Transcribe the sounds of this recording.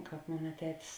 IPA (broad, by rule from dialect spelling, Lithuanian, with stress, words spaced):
ˈkɑːp ˈmoːnɐ ˈtʲæːtʲɪs